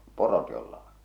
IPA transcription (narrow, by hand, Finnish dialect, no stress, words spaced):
porot jolːɑ on